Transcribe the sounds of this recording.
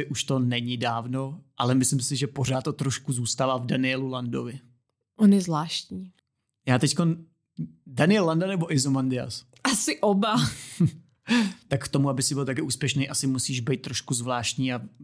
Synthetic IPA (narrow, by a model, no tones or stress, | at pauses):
ɪʔuʃt̪o̞nɛɲɪdaːvno̞ʔalɛmɪslɪmsɪʒɛpo̞ɾaːt̪t̪ːot̪ɾo̞ʃkuzuːst̪alavdanɪɛlulandovɪ | ʔonjɛzvlaːʃtɲiː | jaːt̪ɛcko̞n | danɪjɛllandanɛbo̞ʔɪzomandɪa̰s | ʔasɪʔoba | t̪akkt̪o̞muabɪsɪbɪlt̪ak̬ɛʔuːspjɛʃnejʔasɪmusiːʒbɛjt̪̚t̪ːɾo̞ʃkuzvlaːʃt̪ɲiːa